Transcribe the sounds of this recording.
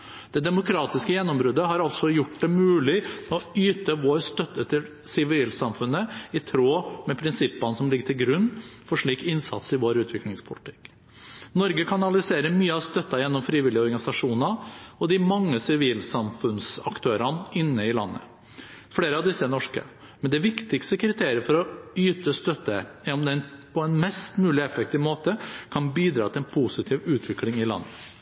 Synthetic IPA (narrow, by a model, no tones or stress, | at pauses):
d̪̥ɛd̪ɛmʊkʰɾɑːt̪ɪskəjɛnːɔmbɾʉːd̪əɦɑɾɑlt̪sɔjʊʈːd̪ɛmʉːlɪmɛɔyːt̪əʋoːɾst̪œt̪ːət̪ʰɪl | sɪʋiːlsɑmfʉnːəɪt̪ʰɾoːmɛpʰɾɪnsɪpːɑnsɔmlɪɡəʈʰɪlɡɾʉnːfɔʂɭiːkɪnsɑ̰t̪sɪʋoːɾʉːt̪ʋɪklɪŋspʰʊlɪt̪ʰɪ̥k | nɔɾɡəkʰɑnɑlɪseːɾəmyːəɑʋst̪œt̪ːɑjɛnːɔmfɾiːʋɪlːɪəɔɾɡɑnɪsɑʂuːnɑɔd̪ɪmɑŋːəsɪʋiːlsɑmfʉnsɑkt̪ʰøːɾɑnɪnːəɪlɑ̰nːə̰ | fɽeːɾəɑʋd̪ɪsːənɔʂkə̰ | mɛnd̪ɛʋɪkt̪ɪkst̪əkʰɾɪt̪ʰeːɾɪəɾfɔɾɔyːt̪əst̪œt̪ːəɛɔmd̪ɛnpʰɔɛnmɛst̪mʉːlɪɛfɛk̚t̪ɪːʋmoːt̪əkʰɑnbiːd̪ɾɑːt̪ɪlɛnpʰusɪt̪ʰiːʋʉːt̪ʰʋɪklɪŋɪlɑ̰nːə